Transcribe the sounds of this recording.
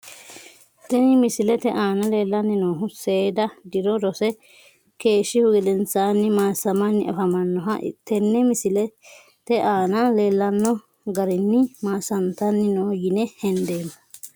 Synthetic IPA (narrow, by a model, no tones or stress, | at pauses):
t̪ɛnɪmɪsɪlɛt̪ɛʔaːnɐle̞ːlːɐnːɪnoːɦʊseːd̪ɐd̪ɪɾɔɾɔsɛ | ke̞ːʃːɪhʊɡɛd̪ɛnt͡sːaːnːɪmaːsɐmɐnːɪɐfɐmɐnːɔɦɐʔɪ̰t̪ːɛnːɛmɪsɪlɛ | t̪ɛʔaːnɐle̞ːlːɐnːɔ | ɡɐɾɪnːɪmaːsɐnt̪ɐnːɪnoːjɪnɛhɛnd̪eːmɐ